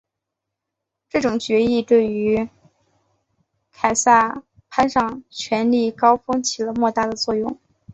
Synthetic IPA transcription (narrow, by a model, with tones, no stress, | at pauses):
ʈ͡ʂɤ˥˩ʈ͡ʂʊ˨˩ŋt͡ɕɥɛ˧˥i˥˧t̪we˥˩ɪy˧˥ | kʰa˨˩ɪsa˥˩ | pʰa˥nʂɑ˥˩ŋt͡ɕʰɥɛ˧˥nli˥˩kɑ˥ʊfɤ˥ŋt͡ɕʰi˨˩lə˦mwɔ˥˧t̪a˥˩d̪ə˩t͡swɔ˥˧jʊ˥˩ŋ